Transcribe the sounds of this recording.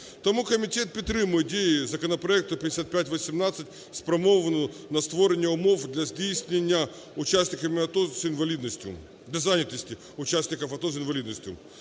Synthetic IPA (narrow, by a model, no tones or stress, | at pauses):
t̪ɐmukəmʲɪtʲe̞t̪̚pʲɪt̪ɾɨmɨdʲejɪzəkənəpɾɐɛk̚t̪ʊpʲɪdʲɪsʲat̪̚pʲætʲvəsʲɪmnat̪sɨtʲ | spɾɐmovənʊnɐst̪voɾʲɪnʲəʊmofd̪lʲɐzʲdʲejsʲnʲɪnʲɪjə | ʊt͡ɕæsʲnʲɪkəmʲɪɐt̪osɪnvɐlʲid̪nəsʲtʲʊ̰ | d̪lʲɐzanʲɪt̪əsʲtʲɪ | ʊt͡ɕæsʲnʲɪkəfɐt̪os̬ɪnvɐlʲid̪nəsʲtʲʊ